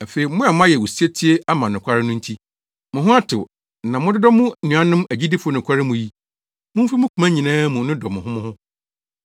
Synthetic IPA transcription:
a˨fe˨i˨˦mʊ̃˦a˨mʊ̃˦a˦jɛ˨wu˨si˦e˦tʰi˦e˦a˦mã˨nʊ̃˨kʷʰa˦ɾɪ˦nʊ̃˦n̩˦tʰi˦ | mʊ̃˨ɦʊ̃˦a˦tʰɪ̰˨ | nã˨mʊ̃˦dɪ˦dɔ˦mʊ̃˦nũ˨ã˦nʊ̃˦mæ˨d͡ʑi˦dɪ˦fʊ˨o˦nʊ̃˨kʰʷa˦ɾɪ˦mũ˨ji˦ | mʊ̃˦m̩fi˦mʊ̃˦kʰu˨˦mã˦ɲĩ˨nãː˦mũ˨nʊ̃˦dɔ˨mʊ̃˨ɦʊ̃˦mʊ̃˦hʊ̃˦

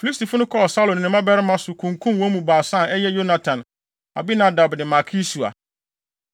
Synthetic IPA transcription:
fi˨li˦sti˨fʊ˦nʊ̃˦kʰɔ˦ɔ˨sa˦lõ˨nɪ̃˨nɪ̃˦mã˦bɛ˦ɾɪ˦mã˦sʊ˨kʰũ˨ŋkʰũ˦mwɔ̃˦mũ˨baː˨sã˦˨ɛ˦jɛ˦jo˦na˨tʰã˨n | a̰˨bi˦nã˨da˨bnɪ̃˨ma˨kʰi˦su˨a̰˨

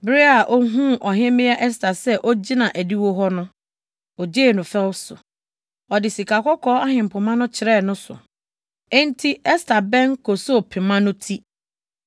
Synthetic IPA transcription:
bɾe˦a˨ʔɔ˦ɦũ˦ʔɔ˨ɦɛ̃˦mɪ̃˦a˦ʔɛ˦s̬tʰa˨sɛ˦ʔɔ˦d͡ʑi˦nã˨ʔæ˨di˦wo˦ɦɔ˦nʊ̃˦ | ɔ˨d͡ʑeː˦˨nʊ̃˨fɛ˦wsʊ̰˨ | ɔ˨dɪ˨si˨kʰa˨kɔ˦kʰɔː˦a˦hɪ̃˨m̩˨pʰʊ˨mã˦nʊ̃˦t͡ɕʰɪ˨ɾɛ˦˨nʊ̃˦sʊ̰˨ | ɛ̃˦n̩˦tʰi˦ɛ˦stʰa˨bɛ̃˦ŋkʰo˨so˦˨pʰɪ̃˨mã˦nʊ̃˦tʰi˦

